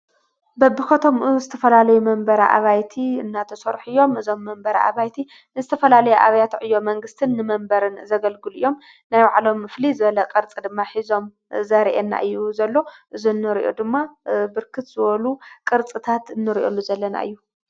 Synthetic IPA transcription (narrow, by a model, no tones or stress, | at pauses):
bɐbːɨkɐt̪ʰo̞mɨzɨt̪ʰɐfɐlalɐjumɐmbɐɾa̰ʔa̰βajt̪ʰiɨnːat̪ʰɐsɐɾħɨjːo̞mɨzo̞mːɐmbɐɾa̰ʔa̰βajt̪ʰi | nzɨt̪ʰɐfɐlalɐjuʔa̰βɐjat̪ʕɨjːo̞mɐŋɡɨst̪ʰɨnːɨmɐmbɐɾɨnzɐɡɐlɡɨlijːo̞m | najwaʕlo̞mːɨflizɨβɐlɐkʼɨɾt͡sʼid̪ɨmːaħizo̞m | zɐɾʔenːa̰ʔɨjːuzɐlːo̞ʔɨzunːɨɾʔo̞̰d̪ɨmːabɨɾkʰɨt̪z̥ɨβɐlukʼɨɾt͡sʼɨt̪ʰat̪ɨnːɨɾiʔolːuzɐlːɐna̰ʔɨ̰jːu